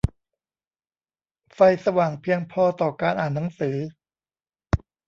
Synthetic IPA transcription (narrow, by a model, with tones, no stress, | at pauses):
fa˧jsa˧waː˨˩ŋpʰi˧əŋpʰɔː˧t̪ɔː˨˩kaː˧nʔaː˨˩nːa˩˦ŋsɯː˩˦